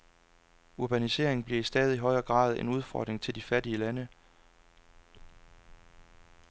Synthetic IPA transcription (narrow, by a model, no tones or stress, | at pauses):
uɐb̥ænise̝̰ɐe̝ŋn̩b̥liɐisd̥ɛːð̞ˠiiɦɒ̽ɪɐːɡ̥ʁɑ̰̈ːð̞ˠe̝nuð̞ˠfɒ̰ːd̥ʁeŋt͡sʰeld̥ifæɐdiəlænə